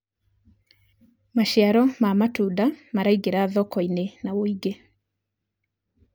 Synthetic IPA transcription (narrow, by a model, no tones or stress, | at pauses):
maʃiaɾɔmamatudamaɾaiɡeɾaːðɔkɔinenawoiɡe